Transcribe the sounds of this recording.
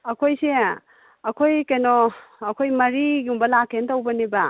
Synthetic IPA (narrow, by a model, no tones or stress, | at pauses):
ɐkʰojse | ɐkʰojkɐjnoːkʰojmɐɾiɡiumbɐlakʰːentawbɐnibɐ